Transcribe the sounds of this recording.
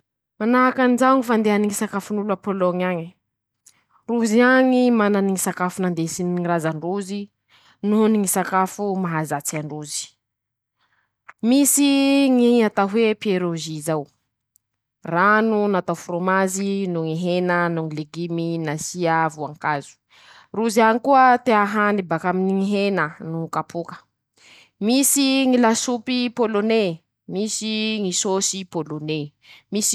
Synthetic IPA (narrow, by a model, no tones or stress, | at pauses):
manaɦakanizawŋifand̪eaniŋisakafunulapoloŋaɲi̥ | ruziaŋimananiŋisakafunand̪esiniŋiɾazanruzi | nuniŋisakafumaɦazat͡saɳɖ͡ʐuzi̥ | misiŋiat̪aɦwepieɾoʒizaw | ranunat̪afromazinuŋiɦenənuŋileɡiminasiavuaŋkazu̥ | ruzianikuət̪eaɦanibakaminiŋiɦenənukapʰukə̥ | misiŋilasupipolone | misiŋisosipolone | mis